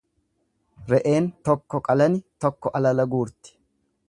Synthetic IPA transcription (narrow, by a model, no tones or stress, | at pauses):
ɾɛʔe̞ːnt̪ɔkːɔkʼɐlɐnɪt̪ɔkːɔʔɐlɐlɐɡuːɾt̪ɪ̥